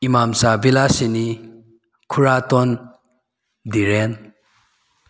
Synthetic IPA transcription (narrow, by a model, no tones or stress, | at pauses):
imamsabilasini | kʰuɾat̪ɔn | d̪iɾen